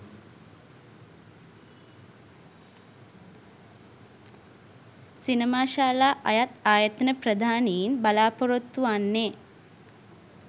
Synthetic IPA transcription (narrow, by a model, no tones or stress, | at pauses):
sinəmaːʃaːlaːʔajat̪aːjət̪ənəprəd̪ʱaːnejinbalaːpoɾot̪ːuanːeː